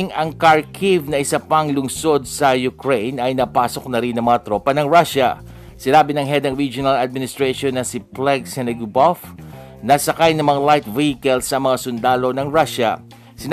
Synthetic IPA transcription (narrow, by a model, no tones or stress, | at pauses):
ŋɐŋkɐɹkʰivnɐʔɪsɐpɐŋlʊŋso̞d̪̚sɐjʊkɹejnɐjnɐpaːso̞k̚nɐɾɪnːɐŋmɐŋat̪ɾoːpɐnɐŋɹaʃɐ̰ | sɪnaːbɪnɐŋɦɛd̪ɐŋɹid͡ʒʊnɐlɐd̪̚mɪnɪst̪ɹɛʃonːɐsiplɛɡsɛnɛɡbof | nɐsɐkajnɐŋmɐŋalajt̪vihɪkɐlsɐmɐŋasʊnd̪aːlo̞nɐŋɹaʃɐ̰ | sɪn